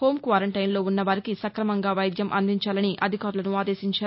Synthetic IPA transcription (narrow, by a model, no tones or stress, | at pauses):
ho̞ːmkʋaːɾɐɳʈɐjnlo̞ːunːɐʋɐɾikisɐkɾɐmɐŋɡaːʋɐjd̪ʱjɐmʔɐ̰nd̪iɲt͡ʃaːlɐniʔɐ̰d̪ʱikaːɾulɐnuaːd̪e̞ːsiɲt͡ʃaːɾ